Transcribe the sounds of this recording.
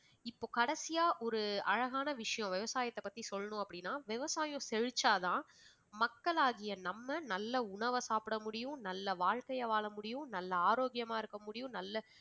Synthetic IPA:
ɪpːoːkɐɽɐsɪjaːʔɔɾɯɐɻɐɣaːnɐʋɪʂɐjɔ̃ʋɪʋɐsaːjɐt̪ːɐpːɐt̪ːisɔlːɐnʊ̃ɐpːɐɽɪnːaːʋɪʋɐsaːjʊ̃sɛɻɯt͡ʃːaːt̪ãː | mɐkːɐɭaːɣɪjɐnɐmːɐnɐlːɐʊɳɐʋɐsaːpɪɽɐmʊɽɪjʊ̃nɐlːɐʋaːɻkɐjɐʋaːɭɐmʊɽɪjʊ̃nɐlːɐaːɾoːɡjɐmaːɪɾɯkːɐmʊɽɪjʊ̃nɐlːɐ

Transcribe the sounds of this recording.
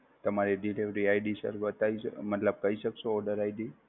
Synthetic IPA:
t̪əmaɾiɖileʋɾiajɖisə̰ɾʋət̪aḭmət̪ləb̚kəiʃəkʃoːɖəɾajɖi

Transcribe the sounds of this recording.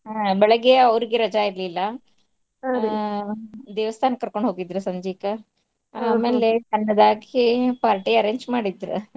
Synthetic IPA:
abɛɭɐɡeɐʋɾiɡeɾɐd͡ʒaiɾlilːɐ | d̪eːʋɐst̪ʰaːnɐkɐɾkoɳɖɦoːɡid̪ɾusɐɲd͡ʒiːkɐ | aːmeːlekɐnːɐd̪aːɡipaːɾʈiɐɾeːɲd͡ʒmaːɽid̪ɾṵ

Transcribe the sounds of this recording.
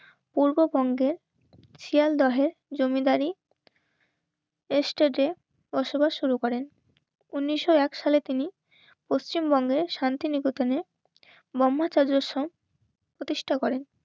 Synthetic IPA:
puɾbobɔŋɡeɾ | t͡ɕʰiald̪ɔɦeɾd͡ʑomid̪aɾi | esʈeɖe | bɔʃobaʃʃuɾukɔɾen | unːiʃoɛkʃalet̪ini | post͡ɕimbɔŋɡeɾʃant̪inikut̪ane | bɔmːat͡ɕaɾd͡ʑɾoʃom | pɾot̪iʃʈʰakɔɾen

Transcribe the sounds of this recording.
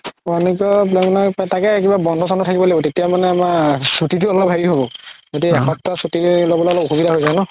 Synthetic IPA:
ɔanikɔplɛnapatakɛkibabɔndʱɔsɔndɔtʰakibɔlaibɔtetijamanɛmasutitʊɔlɔbʱɦajiɦobɔɡodiɛxɔp̚tasutilobɔlɔlɔkxubidaɦojzanɔ

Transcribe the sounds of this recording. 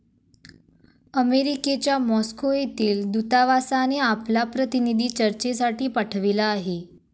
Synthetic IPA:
əmeɾiket͡ɕamɔskoet̪iːld̪ut̪aʋasaneaplapɾət̪inid̪ʱit͡ʃəɾt͡ʃesaʈʰipaʈʰəʋelaːɦe

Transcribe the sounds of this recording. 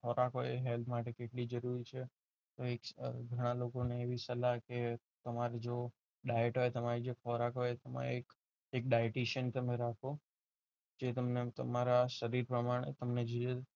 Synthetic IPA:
kʰɔɾakɦojeɦelp̪ʰmaʈekeʈlid͡ʒəɾuɾit͡ʃʰe | t̪oekɡʱəɽ̃alokoneːʋisəlake | t̪əmaɾed͡ʒo | ɖajəʈɦojt̪əmaɾid͡ʒekʰɔɾakɦojet̪əma̰ḛek | ek̚ɖajeʈiʃənt̪əmeɾakʰo | d͡ʒet̪əmnet̪ə̰maɾaʃəɾiɾpɾəmaɽ̃ḛt̪əmned͡ʒoe

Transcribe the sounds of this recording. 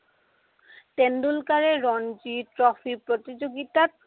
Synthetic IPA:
tendulkaɹeɹɔnd͡ʒitɹɔfʰipɹot̪id͡ʑoɡit̪at̚

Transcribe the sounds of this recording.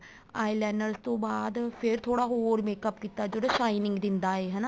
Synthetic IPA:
aːilɛːnəɾst̪õːbaːd̪pʰɪɾt̪ʰoːɽaːɦoːɾmeːkəpkiːt̪aːd͡ʒəɽaːʃaːinɪ̃ŋɡd̪ɪnd̪aːeːɦɛːnaː

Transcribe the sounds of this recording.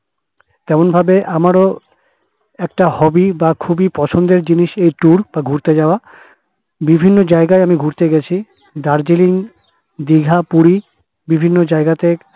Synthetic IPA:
t̪ɛmonbʱabeʔamaɾo | ɛkʈahɔbibakʰubipɔt͡ɕʰond̪eɾd͡ʑiniʃejʈuɾbaɡʱuɾt̪ed͡ʑaoa | bibʱinːod͡ʑaeɡaeamiɡʱuɾt̪eɡɛt͡ɕʰi | d̪aɾd͡ʑiliŋ | d̪iɡʱapuɾi | bibʱinːod͡ʑaeɡat̪e

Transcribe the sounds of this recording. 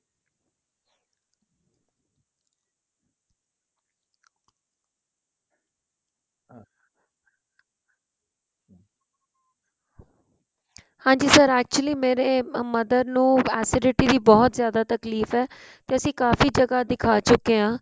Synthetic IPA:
hãːɲd͡ʒiːsəɾɛːk̚t͡ʃʊəliːmeːɾeːməd̪əɾnũːɛːsɪɖɪʈiːd̪iːbɔːt̪zjaːd̪aːt̪əkliːfɛː | t̪eːəsĩːkaːfiːd͡ʒəɡaːd̪ɪkʰaːt͡ʃʊkːeãː

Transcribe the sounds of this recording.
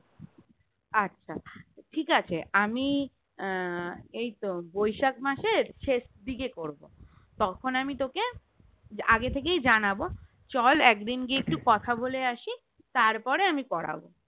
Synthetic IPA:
atːɕʰaʈʰikat͡ɕʰeʔami | ejt̪obojʃakmaʃeɾʃeʃd̪ikekoɾbo | t̪ɔkʰonamit̪oke | aɡet̪ʰek̬ejd͡ʑanabo | t͡ɕɔlɛkd̪inkiek̚ʈukɔt̪ʰaboleaʃi | t̪aɾpɔɾeamikɔɾa̰bo̰

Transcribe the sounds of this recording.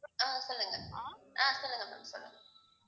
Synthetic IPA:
aːsɔlːɯŋɡɐaːsɔlːɯŋɡɐma̰sɔlːɯ̰ŋɡɐ

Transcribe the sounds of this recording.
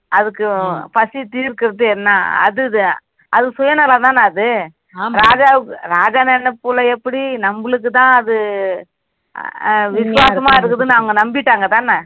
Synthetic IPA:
ɐðɯkːɯpɐsit̪iːɾkɪɾɐðɯɛnːaːɐ̰ðɯɯ | ɐðɯsʊjɐnɐlat̪ãːnɐðɯ | ɾaːd͡ʒaːʋɯkːɯɾaːd͡ʒaːnɛnːɐpːulɐɛpːɐɽinɐmbɐlɯk̬ːɯt̪ãːɐðɯ | ʋɪsɯʋaːɾsɐmaːɪɾɯkːɐðɯnɐʋɐŋɡɐnɐmbɪʈːaːŋɡɐt̪ãːnɐ

